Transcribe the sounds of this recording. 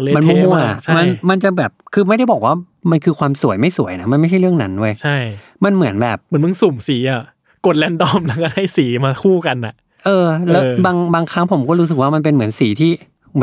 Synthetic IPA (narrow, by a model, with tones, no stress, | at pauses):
le˦˧ma˧nmu˥˦˨mu˥˩˨ʔa˨˩t͡ɕa˧ma˧nma˧nt͡ɕa˨˩bɛː˨˩p̚kʰɯː˧ma˥˩da˥˩jbɔː˨˩k̚waː˥˩ | ma˧nkʰɯː˧kʰwaː˧msu˨˩˦əjma˥˩jsu˨˩˦əjna˦˥ma˧nma˥˩jt͡ɕʰa˥˩jɾɯ˥˩əŋna˦˥ndu˥˩əjt͡ɕʰa˥˩j | ma˧nmɯ˩˦ənbɛː˨˩p̚mɯ˩˦mɯ˧ŋsu˨˩msiː˩˦ʔa˨˩ | ko˨˩t̪̚lɛː˧ndɔ˧˥˩mlɛ˦˥wkɔː˥˩da˥˩jsiː˩˦maː˧kʰuː˥˩ka˧nʔa̰˨˩ʔ | ʔɤː˧lɛː˦˥˧baː˧ŋbaː˧ŋkʰa˦˥ŋpʰo˨˩˦mkɔː˥˩ɾuː˦˥s̬k̚waː˥˩ma˧np̬e˧nmɯ˩˦ənsiː˩˦t̪ʰiː˥˩˦